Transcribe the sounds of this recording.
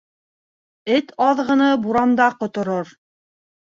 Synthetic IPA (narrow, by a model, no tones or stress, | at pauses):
ɘt̪ʰɑðʁɤ̆nɤbuɾɑnd̪ɑɾqŏt̪ŏɾoɾ